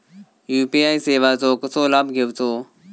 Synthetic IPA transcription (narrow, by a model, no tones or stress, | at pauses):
juːpiːaːiːseːʋaːzoːkəsoːlaːbɡʱɪʋt͡soː